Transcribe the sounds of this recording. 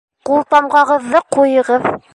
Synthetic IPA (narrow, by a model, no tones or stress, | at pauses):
qulˠt̪ɑmʁɑʁɤ̆ðːɤqujɤ̆ʁɤð